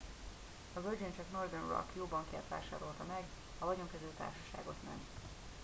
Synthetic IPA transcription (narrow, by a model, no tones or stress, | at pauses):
ɒzørd͡ʒent͡ʃɒknord̪ɛnrɒ̰kjoːbɒŋkiɛt̪ʋa̰ːʃaːɾo̞lt̪ɒmɛɡ | ɒvɒɟo̞ŋkɛzyːt̪a̰ːrʃɒ̥ʃa̰ːɡo̞t̪mɛ̰nt̪